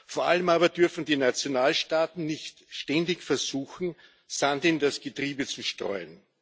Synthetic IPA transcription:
foːɐʔa̰ləmaːbɐd̥ʏɐfn̩diːnat͡sjonaːlʃtaːtn̩nɪçtʃtɛndɪçfɛɐz̥uːxn̩ | sandɪndasɡ̥ətʁ̥iːbət͡suʃtʁɔ̰ʏən

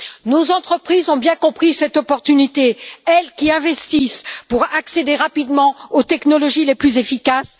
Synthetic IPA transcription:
nozɑ̃t̪χəpχizɔ̃bjɛ̃kɔ̃pχisɛt̪ɔpɔʁt̪ynit̪eɛlkʲiɛ̃vɛst̪ispuʁaksed̪eʁapid̪mɑ̃ot̪ɛknɔlɔʒileplyzefikas

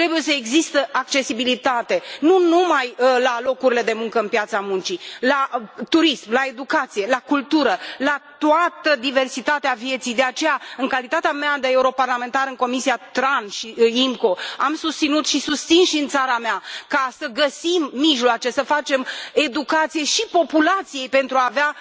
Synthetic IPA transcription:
t̪ɾe̞buje̞səe̞ɡzist̪əʔak̚t͡ʃe̞sibilit̪at̪e̞nunumajlalo̞kuɾile̞d̪e̞muŋkəɨnpjat̪samunt͡ʃilat̪uɾismlae̞d̪ukat̪sije̞lakult̪uɾəlat̪uat̪əd̪ive̞rsit̪at̪eavije̞t̪sijd̪e̞at͡ʃe̞jaɨŋkalit̪at̪eamead̪eeuɾo̞parlame̞nt̪aɾɨŋko̞misiat̪ɾanʃiimko̞amsust̪sinut̪ʃisust̪sinʃiɨnt̪saɾameakasəɡəsimːiʒloat͡ʃe̞səfat͡ʃe̞me̞d̪ukat̪sijeʃipo̞pulat̪sije̞jpe̞nt̪ɾuaːvea

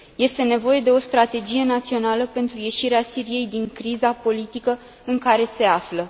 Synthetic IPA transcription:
je̞st̪e̞ne̞vo̞je̞d̪e̞o̞st̪ɾat̪e̞d͡ʒije̞nat̪sio̞naləpe̞nt̪ɾuje̞ʃiɾeasiɾije̞jd̪iŋkɾizapo̞lit̪ikə | ɨŋkaɾe̞se̞aflə

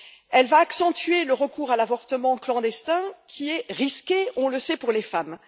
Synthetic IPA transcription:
ɛlvaːksɑ̃t̪ɥeləʁəkuːʁalavɔʁt̪əmɑ̃klɑ̃d̪ɛst̪ɛ̃kʲʰiɛʁiskʲeɔ̃ləsɛpuʁlefam

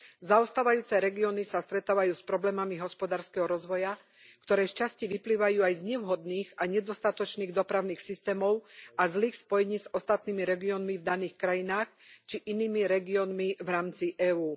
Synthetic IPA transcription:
zaɔst̪aːʋajuːt͡sɛɾɛɡiɔnisast̪ɾɛt̪aːʋajuːspɾɔblɛːmamiɦɔspɔd̪aːɾskɛɦɔɾɔzʋɔja | kt̪ɔɾɛːʃcasciʋipliːʋajuːajzɲɛʊɦɔd̪niːɣaɲɛd̪ɔst̪at̪ɔt͡ʃniːɣd̪ɔpɾaʊniːxsist̪ɛːmɔʊazliːxspɔjɛɲiːzɔst̪at̪niːmiɾɛɡiɔːnmivd̪aniːxkɾajinaːx | t͡ʃiʔiniːmiɾɛɡiɔnmivɾaːmt͡siʔɛːuː

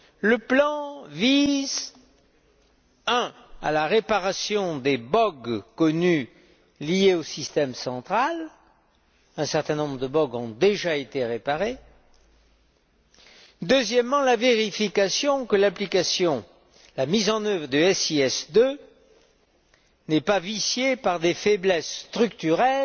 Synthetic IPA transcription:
ləplɑ̃viz | ɛ̃a̰laʁepaʁasjɔ̃d̪ebɔɡkɔny | lijeosist̪ɛmsɑ̃t̪χal | ɛ̃sɛʁt̪ɛ̃nɔ̃bʁəd̪əbɔɡɔ̃d̪eʒaet̪eʁepaʁe | d̪øzjɛmːɑ̃laveʁifikasjɔ̃kəlaplikasjɔ̃ | lamizɑ̃nœvʁəd̪yɛsiɛsd̪ø | nɛpavisjepaʁd̪efɛblɛsst̪χykt̪yʁɛl

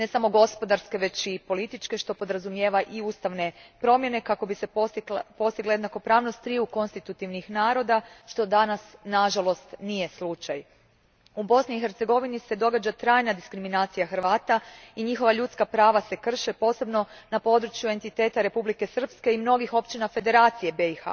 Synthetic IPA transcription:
ne̞samo̞ɡo̞spo̞d̪aɾske̞ʋe̞t͡ʃipo̞lit̪it͡ʃke̞ʃt̪o̞po̞d̪ɾazumjeːʋaʔiuːst̪aʋne̞pɾo̞mje̞ne̞kako̞bisepo̞st̪iɡlajed̪nako̞pɾaːʋno̞st̪ːɾiuko̞nst̪it̪ut̪iʋnixnaːɾo̞d̪aʃt̪o̞d̪anasnaʒalˠo̞st̪nije̞slˠut͡ʃaj | ubo̞sniːxe̞ɾt̪se̞ɡo̞ʋinise̞d̪o̞ɡad͡ʒat̪ɾaːjnad̪iskɾiminaːt̪sijaxrʋaːt̪aiɲixo̞ʋaʎut̪skapɾaːʋase̞kr̩ʃepo̞se̞bno̞napo̞d̪ɾut͡ʃjue̞nt̪it̪e̞ːt̪aɾe̞publike̞sr̩pske̞imno̞ɡixo̞pt͡ʃinafe̞d̪e̞ɾaːt̪sijebeixa̰

